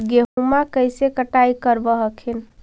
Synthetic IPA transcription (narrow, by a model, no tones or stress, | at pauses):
ɡeɦumakəjsekəʈajkəɾbəɦəkʰen